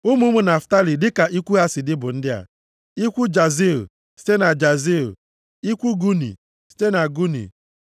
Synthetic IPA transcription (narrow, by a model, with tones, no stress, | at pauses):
ʊ˦mu˦mu˦na˨fta˦li˨dɪ˦ka˨ʔi˦kʷu˦a˦sɪ˨dɪ˦bʊ˨n̩˦dɪ˦a̰˨ | i˦kʷu˦d͡ʒa˨zi˦o̰˨ | si̥˦te˦na˨d͡ʒa˨zi˦o̰˨ | i˦kʷu˦ɡu˦nḭ˨ | si̥˦te˦na˨ɡu˦nḭ˨